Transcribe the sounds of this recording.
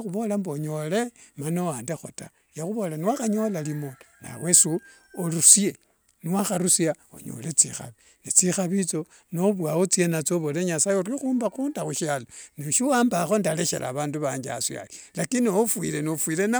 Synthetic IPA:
xuβo̞lamboɲo̞le̞manowaːndexo̰ta | jaxuβo̞laniwaxaɲo̞lalimona̰wesu | oɾusie | niwaxaɾusjao̰ɲo̰let͡sḭxa̰βi | nit͡sixaβit͡so̞ | noβwawot͡sienat͡soβoleɲasajeorixuːmbakundaxuʃaloniʃiwaːmbaxo̞ndaleʃḛlʔa̰βaːnduβaːɲd͡ʒa̰sia̰lilakiniofwḭle̞nofwilena

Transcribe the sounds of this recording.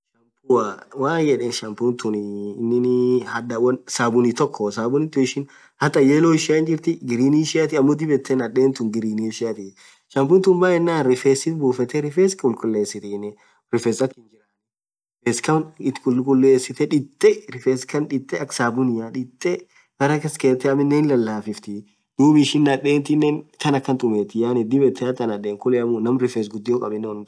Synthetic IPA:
ʃɐmpʊwawaːnjɛᶑeːnʃɐmpunt̪ʊnɪɪnːɪnɪhɐd̪ɐwɐnsaːbʊnit̪ɔkːɔsaːbʊnɪt̪ːʊɪʃɪn | hɐt̪ʼɐjeːloːɪʃɪaɪnd͡ʒɪɾt̪ɪɡɪɾiːniːʃɪjat̪ɪɐmːod̪ɪbɛt̪ːɛnɐᶑeːnt̪ʊŋɡɪɾiːniːʃɪat̪ɪ | ʃɐmpʊːnt̪ʊːnbaːɛnːaːnɾɪfeːsɪt̪buːfɛt̪ɛɾɪfeːskʊlkʼʊlːeːsɪt̪inɪ | ɾɪfɛsɐkːɪnd͡ʒɪɾan | feːskɐnɪt̪kʊlːkʼʊlːeːsːɪt̪ɛᶑɪt̪ʼːɛɾɪfeːskɐnᶑɪt̪ʼːɛɐksaːbʊnɪjaᶑɪt̪ʼːɛ | ɡɐɾɐkɐskeːt̪ːɛɐmɪnːeːnlɐlːaːfɪft̪ɪ | d̪̥uːbɪʃɪnːɐᶑeːnt̪ɪnːent̪ɐnɐkːɐnt̪ʼʊmeːt̪ɪjaːnɪd̪ɪbɛt̪ːɛɐt̪ːɐnɐᶑeːŋkʊlɛɐmʊnɐmɾɪfes̬ɡʊd̪ːɪjɔkʼɐbɪnːɛwɐn

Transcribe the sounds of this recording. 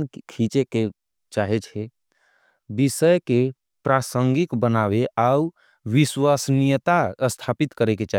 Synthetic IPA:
kʰit͡ʃeke | t͡ʃaːɦet͡ʃʰe | bisəjke | pɾaːsə̃ŋɡikbənaʋeʔau | ʋiswaːsnijət̪aəst̪ʰaːpit̪kəɾeket͡ʃa

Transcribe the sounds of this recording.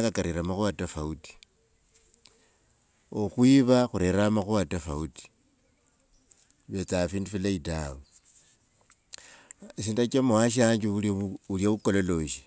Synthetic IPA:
kakaɾiɾamaxuβatafauti̥ | oxwiβaxuɾeɾamaxuwatafauti̥ | βet͡safiːndufilaidawu | esindat͡ʃamowaʃ̬aɲd͡ʒiuuljaβukololo̞ʃi̥

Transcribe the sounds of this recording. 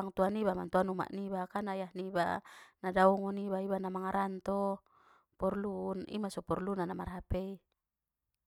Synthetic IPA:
aŋt̪uanibamant̪uanuma̰ʔnibakanajahnibanadauŋɔnibaibanamaŋaɾʔant̪ɔ | pɔrlunḭmasɔpɔrlunanamarɦapei

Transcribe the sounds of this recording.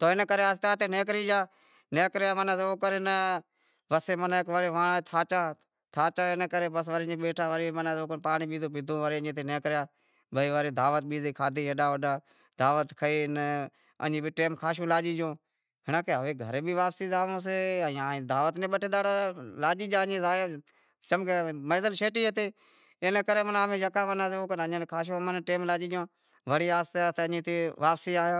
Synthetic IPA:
t̪oːɪnəkəɾeːɦəst̪aːt̪eːneːkɾiːd͡ʒaː | neːkɾjaːmənãːsːoːkəɾeːnə | ʋəseːmənːkʋəɾeːʋãːt̪ʰaːt͡ʃaː | t̪ʰaːt͡ʃãːɪnəkəɾeːbəsʋəɾːeːɓeːʈʰaːʋəɾiːmənãːoːkpaːɳiːɓiːzoːbɪd̪ʱõːʋəɾeːəɲẽːt̪ʰeːneːkɾjaː | bəiːʋəɾeːd̪ʱaːʋət̪̚ɓiːziːkʰaːd̪ʱiːəɗaːʋəɗaː | d̪aːʋət̪kʰəiːn | ə̰ɲĩːbʱiːʈeːmkʰaːʃ̬õːlaːd͡ʒiːd͡ʒõː | ɦɪnãːkeːɦəʋeːɡʱə̰ɾeːbʱiːʋaːpsiːzaːõːs̬eːãːd̪aːʋət̪neːɓəʈeːd̪aːɽaːlaːd͡ʒiːd͡ʒãːɲẽːzaːjõː | t͡ʃəmkeːməːzəlʃeːʈiːɦət̪eː | enekəɾeːmənaːʋẽːjəkaːʋənaːseːoːkənəɲẽnkʰaːʃ̬õːmənːʈeːmlaːd͡ʒiːd͡ʒjõː | ʋəɽiːaːst̪aːt̪ːəɲĩːt̪eːʋaːpsiːaːjãː

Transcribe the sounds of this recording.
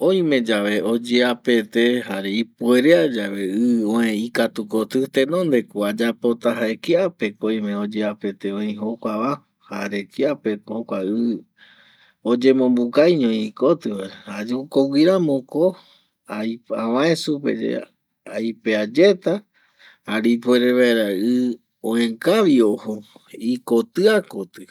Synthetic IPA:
õj̃mẽ̞d͡ʒaʋe̞od͡ʒeape̞t̪ehaɾe̞ipue̞ɾead͡ʒaβe̞ɨõẽikat̪ukot̪ɨt̪ẽ̞nõ̞nd̪e̞kuad͡ʒapo̞t̪aɦaekiape̞koj̃mẽod͡ʒeape̞t̪eõĩɦokʷaβa | haɾe̞kiape̞okʷaɨ | od͡ʒe̞mõ̞mbukajɲõĩkot̪ɨaeɾahad͡ʒukoɡʷiɾamõko | ajã̰wãẽsupḛd͡ʒḛ | ajpead͡ʒe̞t̪a | aɾipueɾeβaeɾaɨ | õẽkaʋiohoikot̪ɨakot̪ɨ

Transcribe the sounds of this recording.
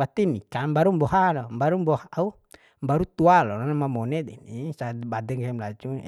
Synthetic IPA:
at̪inikambaɾumbɔɦalɔmbaɾumbɔhau | mbaɾut̪ualɔnanamamɔnɛd̪ɛnisabadɛŋsamlad͡ʒṵ

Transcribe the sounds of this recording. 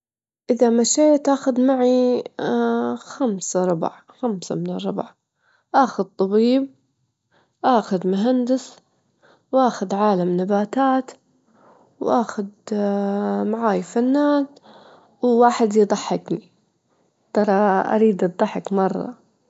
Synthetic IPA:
ʔɪðamaʃeːt̪ʔaːxʊd̪maʕi | xamsaɾˤʊb̰ʕ | xamsa̰mɪnɪrˤːʊbʕ | ʔaːxʊd̪̚t̪ˤɑbiːb̚ | ʔaːxʊd̪mʊɦand̪ɪs | wʔaːxʊd̪ʕaːlamnabaːt̪aːt̪ | wʔaːxʊd̪ | maʕaːjfanːaːn | wwaːħɪd̪jd̪ˤɑħːɪkni | t̪ɑɾˤɑʔa̰ɾiːd̪ʔɑt̪d̪ˤɑħɪkmɑrˤːɑ̰

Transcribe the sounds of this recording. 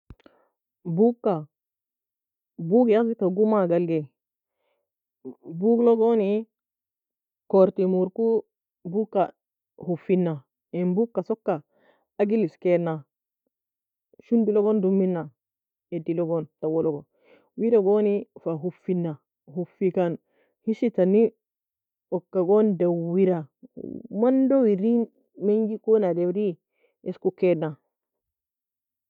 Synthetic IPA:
bukːa | buɡiazikaɡumaɡalɡe | buɡloɡoni | koɾtimuɾku | bukːa | hufinːa | enbukːasokːa | aɡiliskenːa | ʃunbilɔɡɔndumːinːa | edilɔɡɔntawɔlɔɡɔ | wiɾaɡonifaɦufːinːa | ɦufːikan | hiʃitani | ɔkːaɡɔndawiɾa | mandɔwiɾi | meŋɡikɔnadɛwɾi | ɛskukɛna

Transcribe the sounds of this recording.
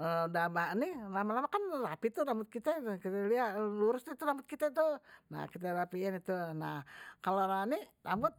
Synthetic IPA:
ədamanilamalamakanrapit̪udambʊt̪̚kit̪ɛkit̪ɛliaʔluɾʊsnit̪udambʊt̪̚kit̪ɛt̪una̰hkit̪̬ɛɾapiɪnit̪unahkaloɾanidambʊt̪̚

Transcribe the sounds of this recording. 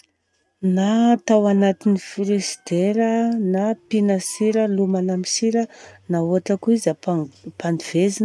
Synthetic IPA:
nat̪awanat̪inifɾesd̪̥eɾənapinəsiɾəlumanamisiɾənauaʈ͡ʂəkuizappaniv̥ezin

